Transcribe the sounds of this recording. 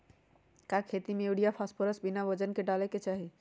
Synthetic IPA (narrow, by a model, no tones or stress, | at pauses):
kakʰet̪imeeɖijapʰaspʰəɾəsbinabəd͡ʒənkeɖalɛket͡ʃaɦi